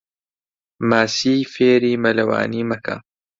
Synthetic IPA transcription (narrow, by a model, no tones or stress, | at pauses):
maːsiːfeːɾiːmɐlɐwa̰ːniːmɐkʰa̰